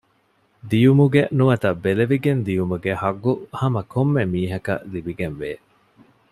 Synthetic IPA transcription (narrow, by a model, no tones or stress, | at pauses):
d̪ijumuɡenuʋɐt̪ɐbeleʋiɡend̪ijumuɡehɐɡːuhɐmɐkʰomːemiːɦɐkɐ̰libiɡenʋeː